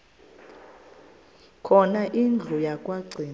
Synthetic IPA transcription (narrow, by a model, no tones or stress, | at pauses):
kʰɔnaʔind͡ɮʱujakʼwaɡ͡ǀʱiː